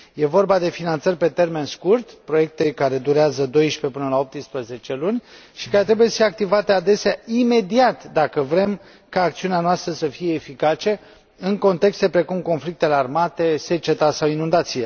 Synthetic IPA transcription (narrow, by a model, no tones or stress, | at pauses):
je̞vo̞rbad̪e̞finant̪sərʲpe̞t̪e̞rme̞nskurt̪pɾo̞je̞k̚t̪e̞kaɾe̞d̪uɾeazəd̪o̞jʃpe̞pɨnəlao̞p̚t̪ɨspɾəze̞t͡ʃe̞lunʲʃi̥kaɾe̞t̪ɾe̞bujesfieak̚t̪ivat̪e̞ad̪e̞seaime̞d̪iat̪d̪akəvɾe̞m | kaːk̚t̪siuneanoast̪ɾəsəfije̞ːfikat͡ʃe̞ | ɨŋko̞nt̪e̞kst̪e̞pɾe̞kumko̞nflik̚t̪e̞le̞armat̪e̞se̞t͡ʃe̞t̪asawinund̪at̪sije